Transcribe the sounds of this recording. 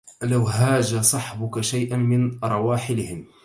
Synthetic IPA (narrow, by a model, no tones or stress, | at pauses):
lawɦaːd͡ʒasˤɑħbʊkaʃajʔanmɪnɾˤɑwaːħɪlɪhɪm